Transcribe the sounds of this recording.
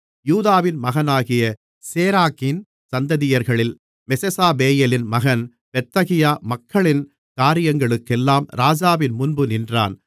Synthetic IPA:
juːðaːʋɪnmɐɣɐnaːɣɪjɐ | seːɾaːkɪn | sɐnd̪ɐðɪjɐɾɣɐɭɪl | mɛsɛsaːbeːjelɪnmɐɣɐn | pɛt̪ːɐɣɪjaːmɐkːɐɭɪn | kaːɾɪjɐŋɡɐɭɯkːɛlːaːmɾaːd͡ʒaːʋɪnmʊnbɯnɪndra̰ːn

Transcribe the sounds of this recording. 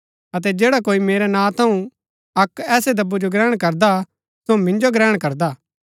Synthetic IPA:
ɐt̪̬ɛd͡ʒeːɽakoːimeːɾɛnãːt̪ʰɐũ | ɐkɛːsed̪ɐbːud͡ʒoɡɾɛːɽ̃kɐɾd̪a | somɪ̃nd͡ʒoɡɾɛːɽ̃kɐɾd̪aː

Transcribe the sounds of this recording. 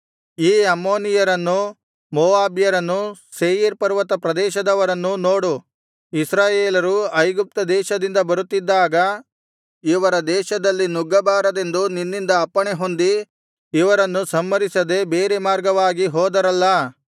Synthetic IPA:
iːɐmːo̞ːnijɐɾɐnːu | moːaːbjɐɾɐnːuseːjiɾpɐɾʋɐt̪ɐpɾɐd̪ɛːʃɐd̪ɐʋɐɾɐnːunoːɽu | isɾaːjeːlɐɾuɐjɡup̚t̪ɐd̪ɛːʃɐd̪ind̪ɐbɐɾut̪ːid̪ːaːɡɐ | iʋɐɾɐd̪ɛːʃɐd̪ɐlːinuɡːɐbaːɾɐd̪e̞nd̪uninːind̪ɐːpːɐɳeɦo̞nd̪i | iʋɐɾɐnːusɐmːɐɾisɐd̪e̞beːɾemaːɾɡɐʋaːɡiɦɔːd̪ɐɾɐlːɐ

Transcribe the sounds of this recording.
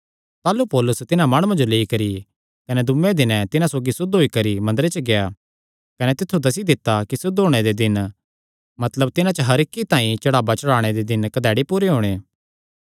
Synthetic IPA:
t̪aːlupɔːlʊst̪ɪnãmaːɽ̃ʊ̃ãd͡ʒoleːikɐɾi | kɐnɛd̪ʊmːẽd̪ɪnɛ̃t̪ɪnãsoːɡisʊd̪ɦoikɐɾimɐ̃nd̪əɾet͡ʃəɡeja | kɐnɛt̪ɪt̪ʰːud̪ɐs̬id̪ɪt̪ːakisʊd̪ɦoːɽ̃ed̪ed̪ɪn | mɐt̪ləb̚t̪ɪnãt͡ʃəɦɐɾɪkːit̪aːĩt͡ʃɐɽaːbat͡ʃɐɽaːɽ̃ed̪ed̪ɪnkɐd̪ɛːɽipuːɾeɦoːɽ̃eː

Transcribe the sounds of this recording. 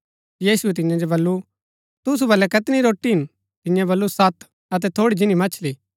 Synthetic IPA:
jiːsuɛt̪̬ɪ̃jãd͡ʒobɐlːu | t̪ʊsubɐlːɛkɐt̪ɪniɾoːʈːiɦɪ̃n | t̪ɪ̃jãbɐlːusɐt̪ | ɐt̪̬ɛt̪ʰoːɽid͡ʒɪnimɐt͡ʃʰli

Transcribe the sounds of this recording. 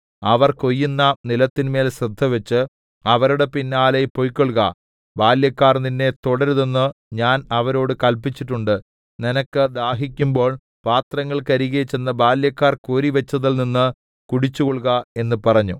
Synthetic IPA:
ɐʋɐrko̞jːunːɐnilɐt̪ːinme̞ːlɕrɨd̪ʱːɐʋɐt͡ɕːɨ | ɐʋɐɾuɽe̞pinːaːlepojkːoɭɣɐ̰ | baːljɐkːaːrninːe̞t̪oɽɐɾuðenːɨɲaːnɐʋɐɾo̞ːɽɨkɐlpːit͡ɕːiʈ̬ːuɳɖɨ | ninɐkːɨd̪aːɦikʲːumbo̞ːɭ | paːt̪rɐŋːɐɭkɐɾiɣɐt͡ɕːe̞nːɐbaːljɐkːaːrkoːɾiʋɐt͡ɕːɐðilninːɨ | kuɽit͡ɕːuɣoɭɣɐe̞nːɨpɐrɐɲːu

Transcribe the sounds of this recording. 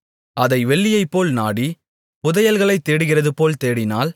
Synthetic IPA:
ɐðɐɪʋɛɭːɪjɐɪpːoːlnaːɽi | pʊðɐjɐlɣɐɭɐɪt̪ːeːɽɯɣɪrɐðɯpoːlt̪eːɽɪnaːl

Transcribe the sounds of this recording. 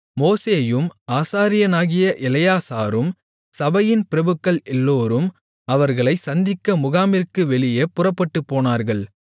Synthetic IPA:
moːseːjɯmaːsaːɾɪjɐnaːɣɪjɐʔɪlɐjaːsaːɾɯm | sɐbɐjɪnpɪɾɐbɯkːɐɭɛlːoːɾɯm | ɐʋɐɾɣɐɭɐɪsɐnd̪ɪkːɐmʊɣaːmɪɾkɯʋɛɭɪjeːpʊrɐpːɐʈːɯpːoːnaːɾɣɐɭ

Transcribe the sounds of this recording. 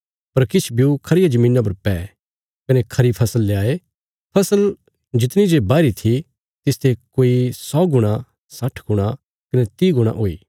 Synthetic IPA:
pɐɾkɪt͡ʃʰbjukʰɐɾɪjad͡ʒɐmĩːnap̬ɐɾpɛː | kɐnekʰɐɾipʰɐsəlːeaːe | pʰɐsəl | d͡ʒɪt̪ñid͡ʒebaːɾit̪ʰi | t̪ɪst̪ʰekoːisɔːɡʊɽ̃a | sɐʈʰɡʊɽ̃a | kɐnet̪iːɡʊɽ̃a̰ʔoːḭː

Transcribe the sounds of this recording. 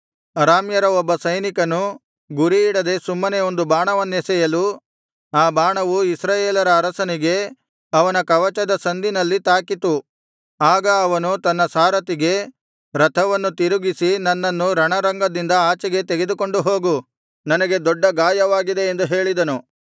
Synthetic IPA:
ɐɾaːmjɐɾɐɔbːɐsɐjnikɐnu | ɡuɾiːɽɐd̪e̞sumːɐneo̞nd̪ubaːɳɐʋɐnːesɛjɐlu | aːbaːɳɐʋuisɾaːjeːlɐɾɐːɾɐsɐniɡe̞ | ɐʋɐnɐkɐʋɐt͡ʃɐd̪ɐsɐnd̪inɐlːit̪aːkit̪u | aːɡɐːʋɐnut̪ɐnːɐsaːɾɐt̪iɡe̞ | ɾɐt̪ʰɐʋɐnːut̪iɾuɡisinɐnːɐnːuɾɐɳɐɾɐŋɡɐd̪ind̪ɐaːt͡ʃɐɡe̞t̪eɡe̞d̪uko̞ɳɖuɦo̞ːɡu | nɐnɐɡe̞d̪ɔɖːɐɡaːjɐʋaːɡid̪e̞ːnd̪uɦe̞ːɭid̪ɐnu

